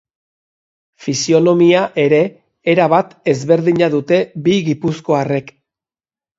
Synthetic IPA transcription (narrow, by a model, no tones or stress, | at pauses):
fisio̞no̞miaʔe̞ɾe̞ː | ɾaβat̪e̞zβe̞ɾðiɲaðut̪e̞biɣipusko̞are̞k